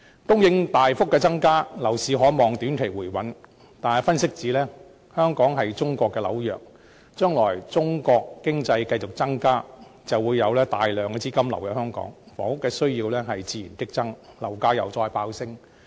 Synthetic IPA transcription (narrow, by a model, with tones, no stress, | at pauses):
t̪ʊ˥ŋjɪ˨˧ŋt̪aː˨jfʊ˥k̚ːɛː˧t͡sɐ˥ŋkaː˥lɐ˨˩wsiː˨˧ɦɔː˨˥mɔː˨ŋt̪y˨˥nkʰe˨˩jwuː˨˩jwɐ˨˥n | t̪aː˨nɐ˨jfɐ˥nsɪ˥k̚t͡siː˨˥lɛː˥ | hœː˥ŋkɔː˨˥ŋɦɐ˨jt͡sʊ˥ŋkʷɔː˧kːɛː˧lɐ̰˨˥wjœː˨k̚ | t͡ʃœː˥ŋlɔː˨˩jt͡sʊ˥ŋkɔː˧kːɪ˥ŋt͡sɐ˧jkɐ˧jt͡sʊ˨k̚t͡sɐ˥ŋkaː˥ | t͡sɐ˨wuː˨˧jːɐ˨˧wlɛː˥t̪aː˨jlœː˨˩ŋkɛː˧t͡siː˥kɐ˥mlɐ˨˩wjœː˨˥hœː˥ŋkɔ̰ː˨˥ŋ | fɔː˨˥ŋʊ˥kːɛː˧sɵ˥ɥjiː˧wlɛː˥ɦɐ˨jt͡siː˨˧jiː˨˩nt͡sɪ˥k̚t͡sɐ˥ŋlɐ˨˩wkaː˥jɐ˨wt͡sɔː˧jpaː˧wsɪ˥ŋ